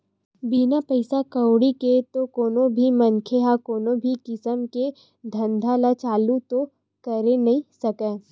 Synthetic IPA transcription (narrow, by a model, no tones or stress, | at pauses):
biːnapɐɪsakɐwɽiket̪okoːnobʱimɐnkʰeɦakoːnobʱikɪsəmke | d̪ʱɐ̃nd̪ʱalat͡ʃaːlut̪o | kɐɾenɐɦĩsɐkẽː